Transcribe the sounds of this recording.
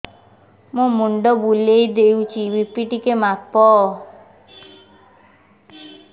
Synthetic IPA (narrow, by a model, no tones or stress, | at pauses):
mũmuɳɖɔbulejd̪eut͡ʃʰibipiʈikemapɔ